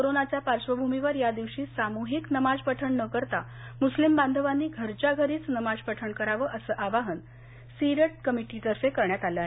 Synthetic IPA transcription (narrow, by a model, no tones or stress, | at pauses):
koɾonat͡ɕjapaɾʂʋəbʱumiʋəɾjad̪iʋɕiːsamuɦiknəmad͡zpəʈʰəɳnəkəɾt̪a | muslimband̪ʱəʋanːiːɡʱəɾt͡ɕaɡʱəɾiːt͡snəmad͡zpəʈʰəɳkəɾaʋəʔəsəːʔaʋaɦən | siɾəʈ̚kəmiʈiʈ̪əɾsekəɾɳjat̪aləaːɦee